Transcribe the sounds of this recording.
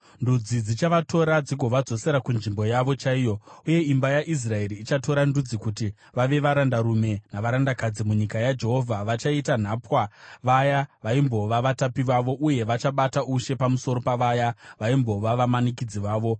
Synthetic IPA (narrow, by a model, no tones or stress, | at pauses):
ndud͡zid͡zit͡ʃaʋato̞ɾad͡ziɡʱo̞ʋad͡zo̞se̞ɾakunʐimbo̞jaʋo̞t͡ʃaijo̞uje̞imbajaʔis̬rae̞ɾiːt͡ʃato̞ɾandud͡zikuti | ʋaʋe̞ʋaɾandaɾume̞naʋaɾandakad͡zimuɲikajad͡ʒe̞ɦo̞vʱaʋat͡ʃaitan̤aːpwaʋajaʋaimbo̞ʋaʋatapiʋaʋo̞ʔuje̞ʋat͡ʃaɓatauʃe̞pamuso̞ɾo̞paʋajaʋaimbo̞ʋaʋamanikid͡ziʋaːʋo̞